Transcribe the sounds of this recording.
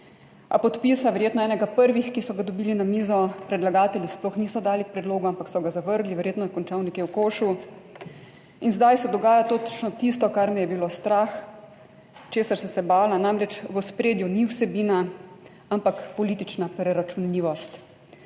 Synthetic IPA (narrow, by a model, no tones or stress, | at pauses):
a̰pɔt̪pisaʋɛɾjeːt̪nɔɛːnɛɡapəɾʋixkisɔɡad̪ɔbiːlinamiːzɔpɾɛd̪laɡaːt̪ɛljisplɔxniːsɔd̪aːlikpɾɛd̪loːɡuampaksɔɡazaʋəɾɡliʋɛɾjet̪nɔjɛkɔnt͡ʃaːwnikewkoːʃu | inzd̪ajsɛd̪ɔɡaːjat̪oːt͡ʃnɔt̪ist̪ɔkaɾmijɛbiloːst̪ɾax | t͡ʃeːsaɾsɛsɛbaːlanamɾɛt͡ʃʋɔspɾeːd̪juniwsɛbiːna | ampakpɔliːt̪it͡ʃnapɾɛɾat͡ʃunliːʋɔst̪